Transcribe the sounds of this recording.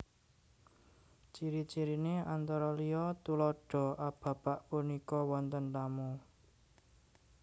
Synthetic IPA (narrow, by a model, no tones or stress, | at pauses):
t͡ʃiɾit͡ʃiɾineant̪ɔɾɔlijɔt̪ulɔɖ̥ɔ̤ʔab̥ä̤b̥aʔpunikɔwɔnt̪ənt̪amu